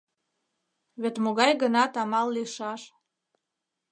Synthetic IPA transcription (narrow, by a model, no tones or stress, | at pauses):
βet̪moɣɑjɣənɑt̪ɑmɑlːiʃɑʃ